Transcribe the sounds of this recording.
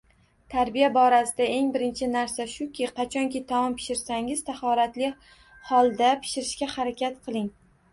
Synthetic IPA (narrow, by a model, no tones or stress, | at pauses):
t̪ʰaɾbijabɒɾasɪd̪ae̞ŋbɪɾɪnt͡ʃʰɪnaɾsaʃʊkʲʰɪqʰɑt͡ʃʰɒŋkʲʰɪt̪ʰɒmɒmpʰɪ̥ʃɪɾsaŋɪz̥t̪ʰahɒɾat̪lɪ | hɒlˠd̪apʰɪ̥ʃɪɾɪʃkʲahaɾakʲat̪̚qʰɨlˠɪŋ